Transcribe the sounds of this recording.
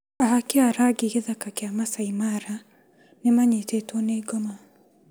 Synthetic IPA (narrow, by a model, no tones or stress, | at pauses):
aɦakiaɾaɡikiðakakiamasaimaɾa | nɛmaɲitetoneɡɔma